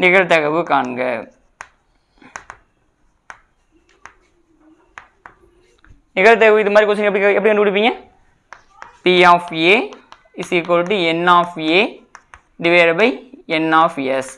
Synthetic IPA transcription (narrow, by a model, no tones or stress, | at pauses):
nɪɣɐɭt̪ɐɣɐʋɯkaːɳɡɐ̰ | nɪɣɐɭt̪̬ɐɣɐʋɯɪðɯmaːd̪ɾikoːsɪɡɛpːɽiɛpɐɽikɐɳɖɯpːʊɽɪpːiːŋɡɐ | piaːfeː | ɪsik̬oːɾʈ̬ːiɛnːaːfeː | ɖɪʋeːɾɐbɐɪɛnːaːfɛs